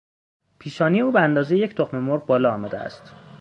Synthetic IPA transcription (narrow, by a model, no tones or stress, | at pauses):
pʰiːʃɒːnije̞uːbeænd̪ɒːzejeject̪ʰo̞xmemoɾʁ̚bɒːlɒːmæd̪eæ̰st̪